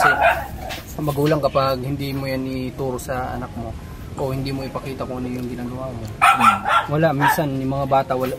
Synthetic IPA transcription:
sɛ | mɐɡuːlɐŋkɐpaɡ̚hɪnd̪iːmojanɪt̪uːɾosɐʔɐ̰nak̚mo̞ | ʔohɪnd̪iːmoʔɪpɐkiːt̪ɐkoʔɐnojʊŋɡɪnaːɡɐwaːmo̞ | wɐlaʔminsɐnjʊmɐŋabaːt̪ɐʔwɐla

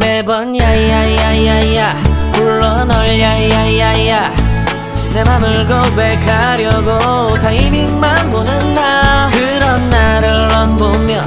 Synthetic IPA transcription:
mebʌnjaijajjajaijamuɭːʌnʌɭjajjaiajja | semamɯɭɡobekʰa | ɾjʌɡo | taimiŋmanbonɯndakɯɾʌnːaɾɯɭʌnbomjʌn

